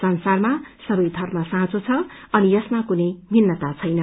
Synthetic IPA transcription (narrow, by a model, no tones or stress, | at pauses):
sʌnsarmasʌbʌjd̪ʱʌrmʌsãɦt͡sʰot͡sʰʌʌnijʌsmakunejbʱinːʌt̪at͡sʰʌjnʌ